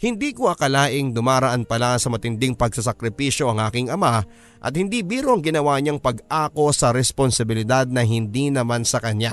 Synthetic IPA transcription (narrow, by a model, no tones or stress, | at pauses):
hɪnd̪iːkoʔɐkɐlaːʔɪŋd̪ʊmaːɾɐʔanpɐlasɐmɐt̪ɪnd̪ɪŋpɐɡ̚sɐsɐkɾɪpiʃjo̞ʔɐŋʔaːkɪŋʔɐma | ʔɐ̰t̪̚hɪnd̪ibiːɾoʔɐŋɡɪnɐwaːɲaŋpɐɡʔaːko̞sɐɾɛsponsɐbɪlɪd̪ad̪̚nɐɦɪnd̪inɐmansɐkɐɲa